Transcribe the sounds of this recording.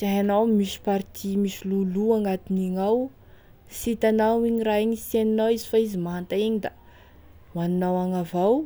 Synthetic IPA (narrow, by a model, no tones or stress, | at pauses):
zaɦanawmisi̥paɾt̪ʰimisiluluaŋɡat̪iniŋaw | sit̪anawiɲiraiɲiseninawizifaizimaɦant̪aiɲid̪a | waninawaŋavaw